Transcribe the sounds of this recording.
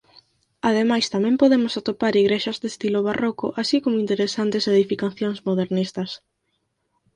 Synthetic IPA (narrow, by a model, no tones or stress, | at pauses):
að̞emajst̪amɛ̃mpoðemʊsat̪opaɾiɣɾeʃɐzd̪est̪iloβarokʊ̰ʔasikomoint̪eɾesant̪eseðifikaθjoŋzmoðeɾnist̪ɐs